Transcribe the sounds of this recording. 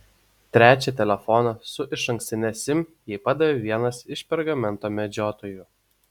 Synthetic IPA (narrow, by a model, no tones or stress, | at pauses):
t̪ʲɾʲæːt͡ʃʲɛt̪ʲɛlʲɛfɔnɐsʊʔɪʃɐŋksʲt̪ʲɪnʲɛsʲɪmjɛːpɑd̪ɐʋʲeːʋʲiɛnɐsɪʃpʲɛɾɡɐmʲɛnt̪oːmʲɛd͡ʒʲoːt̪oːjʊ